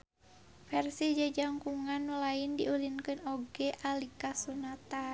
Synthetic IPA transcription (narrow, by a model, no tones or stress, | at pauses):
fɛrsid͡ʒad͡ʒaŋkuŋanːulaindiulinkɨnoɡɛʔalikasunat̪a